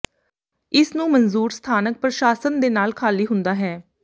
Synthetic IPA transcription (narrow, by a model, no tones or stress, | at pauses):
ɪsnũːmənzuːɾst̪ʰaːnək̚pɾəʃaːsənd̪eːnaːlkʰaːliːɦʊnd̪aːɦɛː